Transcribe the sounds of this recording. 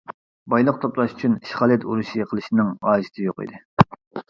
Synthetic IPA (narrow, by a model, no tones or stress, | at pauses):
bɑjlˠəq̚t̪ʰoplˠɑʃy̥t͡ʃʰynʃχɑːlˠɛt̪ṵɾuʃiqʰəlˠɨʃinɪŋʁɑːʒɪ̥t̪ʰɪjoqḭd̪ɪ